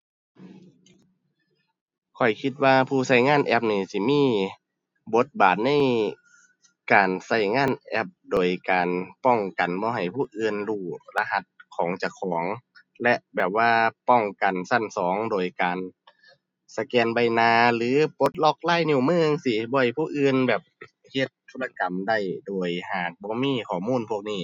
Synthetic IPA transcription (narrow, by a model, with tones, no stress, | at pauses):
kʰɔ˨˩jkʰi˧t̪̚waː˧pʰuː˧˩sa˧˩jŋaː˧˥˨nʔɛ˧˩p̬̚niː˧˩si˧˦miː˧˥˨ | bo˧˦t̪̚baː˨˩t̪̚na˧˥˨j | kaː˨nsa˧˩jŋaː˧˥˨nʔɛ˧p̚doː˨˩jkaː˨npɔ˧˩ŋka˨˩nbɔː˧˦ɦa˨˩jpʰuː˧˩ʔɯː˧nluː˧˩la˧ɦa˧˩t̪̚kʰɔː˨˦ŋt͡ɕa˧˩kʰɔː˨˩˦ŋ | lɛ˧ʔbɛː˨˩p̚waː˧pɔ˧˩ŋka˨˩nsa˧˩˨nsɔː˨˦ŋdoː˨˩jkaː˨˩n | sa˧kɛː˧nba˧˩jnaː˧lɯː˨˦po˧˦t̪̚lɔ˧˩k̚laː˧˥˨jɲuː˧˩mɯː˧˥˨ŋsi˧˩bɔː˧ha˧˩jpʰuː˧˥˨ʔɯː˧˨nbɛː˨˩p̚ | he˧˦t̪̚ʰːuː˧˥la˧ka˨˩mda˧˩˨jdoː˨˩jhaː˨˩k̚bɔː˧˦miː˧˥˨kʰɔː˨˩muː˧˥˨npʰu˧˥˩ək̚niː˧˩